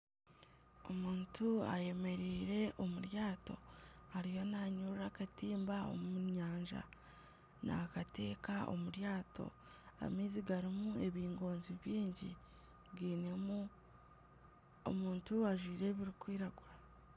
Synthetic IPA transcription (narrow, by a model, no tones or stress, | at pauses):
omuːntʰua̰je̞me̞ɾiːɾe̞ʔo̞muɾjaːto̞̰aɾijo̞naɲuakatiːmbao̞̰muɲaːɲʒa̰ | na̰kate̞ːkaʔo̰muɾjaːto̞̰ | a̰miːziɡaɾimue̞βiːŋɡo̞ːnziβjiːɲɟi | ɡiːnemu | o̰muːntuaʒwiːɾe̞βiɾikwiːɾaɡwa